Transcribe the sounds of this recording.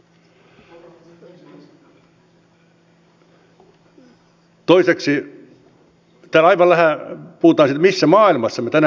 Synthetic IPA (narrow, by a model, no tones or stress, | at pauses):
t̪oiseksi | t̪æːlɑiʋɑllæhæpuhut̪ɑːnsit̪misːæmɑːilmɑsːɑmet̪ænæ